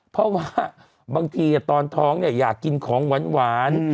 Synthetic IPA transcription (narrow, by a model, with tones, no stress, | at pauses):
pʰɔ˦˥waː˧˥˩ | baː˧ŋt̪ʰiː˧˩t̪ɔː˧nt̪ʰɔː˦˥ŋni˥˩ɐjaː˨˩kːi˧nkʰɔː˩˦ŋwa˨˦˥nwaː˩˦n